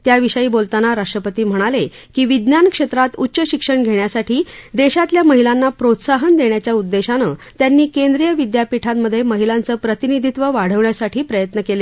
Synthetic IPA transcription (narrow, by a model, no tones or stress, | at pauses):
t̪jaʋiɕəiːbolt̪anaɾaʂʈɾəpət̪iːm̤əɽ̃ale | kiːʋid̪njankʂet̪ɾat̪utːɕəɕikʂəɳɡʱeɳjasaʈʰiːd̪eɕat̪ljaməɦilanːapɾot̪saɦənd̪eɳjat͡ɕjaud̪ːeɕanət̪janːiːkend̪ɾijəʋid̪japiʈʰat̪məd̪ʱːjeməɦilant͡səːpɾət̪inid̪ʱit̪ʋəʋaɽ̤əʋɳjasaʈʰiːpɾəjət̪nəkele